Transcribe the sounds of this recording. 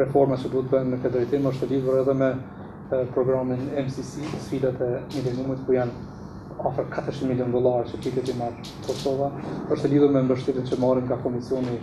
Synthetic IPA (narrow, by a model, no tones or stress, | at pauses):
ɾɛfɔɾmat͡ɕəd̪uət̪bɛnmɛfɛd̪ɾɛjt̪iməʃt̪əliðuɾɛðɛmɛ | pɾɔɡɾaminɛmsisisfid̪at̪ɛmilɛnumit̪kujan | afəɾkʰat̪əɾʃinmiljɔnd̪ɔlˠaɾt͡ʃəpit̪ɛt̪imaɾ | kʰɔsɔvaəʃt̪əliðuɾmɛmbəʃt̪ɛɾit̪t͡ɕəmaɾiŋɡakɔmisjɔni